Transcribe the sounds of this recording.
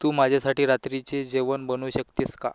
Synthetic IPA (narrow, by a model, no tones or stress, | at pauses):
t̪uːmad͡ʑʱasaʈiːɾat̪ɾit͡sed͡ʑeʋənbənuːɕəkt̪iska̰